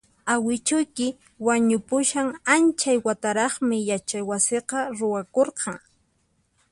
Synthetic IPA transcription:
awɪt͡ʃʊjkɪ | waɲʊpʊʃaŋant͡ʃajwat̪aɾɑχmɪjat͡ʃajwasɪqɑɾʊwakoɾqʰɑŋ

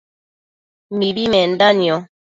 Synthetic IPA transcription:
m̩ibimɛn̩daniɔ

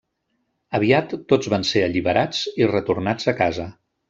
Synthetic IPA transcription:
əβiat̪ːod͡zβanseəʎiβəɾʔad͡zirət̪urnad͡zəkazə

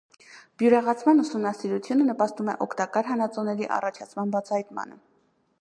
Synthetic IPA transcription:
b̥juɾɑʁɑt͡sʰmɑnusumnɑsiɾut͡sʰjunənəpɑst̪umɛʔɔkʰt̪ɑkɑɾɦɑnɑt͡sɔnɛɾiʔɑ̰rɑt͡ʃʰɑt͡sʰmɑnbɑt͡sʰɑhɑjt̪mɑ̰nə̰

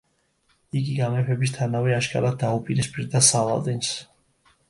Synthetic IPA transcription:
iɡiɡamɛpʰɛbist̪ʰanavɛaʃkʼa̰ɾad̪aupʼiɾɛspʼiɾd̪asala̰ld̪ɛns

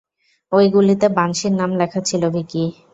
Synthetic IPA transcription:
ojɡulit̪ebaŋʃiɾnamlɛkʰat͡ɕʰilobʱiki

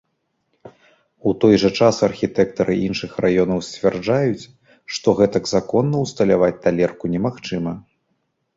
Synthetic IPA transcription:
ut̪ɔjʐɐt͡ʂasɐrxʲit̪ɛkt̪ɐɾɨʔinʂɨxrajɔnɐwsʲt͡sʲvʲɛrd͡ʐajut͡sʲ | ʂt̪ɔɣɛt̪ɐɡzakɔnːɐwst̪ɐlʲavat͡sʲt̪alʲɛrkunʲɛmaxt͡ʂɨmɐ

